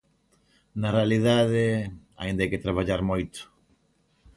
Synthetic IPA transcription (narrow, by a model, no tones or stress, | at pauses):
narealiðaðea̰ind̪ajket̪ɾaβ̞aʎaɾmojt̪ʊ̥